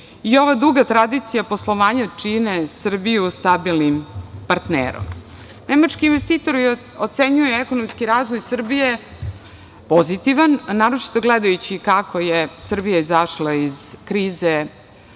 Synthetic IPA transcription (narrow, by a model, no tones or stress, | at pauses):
io̞ʋad̪ɾuɡat̪ɾad̪it̪sijapo̞slˠo̞ʋaːɲat͡ʂinesr̩bijust̪abilnimpaɾt̪nḛːɾo̰m | nemat͡ʃkiːnʋe̞st̪iːt̪o̞ɾi | ot̪seɲujeɛkono̞mskiɾaːzʋojsr̩bije | po̞zit̪iʋanːaːɾot͡ʃi̥t̪o̞ɡled̪ajut͡ɕikako̞jesr̩bijaizaʃlaiz̥kɾiːze